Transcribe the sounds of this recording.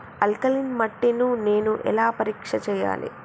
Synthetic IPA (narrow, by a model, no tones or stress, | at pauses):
ɐlkɐlinmɐʈːinune̞ːnuʔɛ̰laːpɐɾiːkʂɐt͡ʃɛːja̰ːlḭ